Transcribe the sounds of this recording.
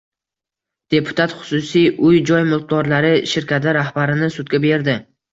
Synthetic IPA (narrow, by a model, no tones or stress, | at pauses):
d̪̥e̞pʰʊ̥t̪ʰat̪χʊ̥sʊsijʔʊjd͡ʒɒjmʊlq̚d̪ɒɾlaɾɪʃɪɾkʲʰat̪̬ʰɪɾahbaɾɪnɪsʊd̪ɡʲabe̞ɾd̪ɪ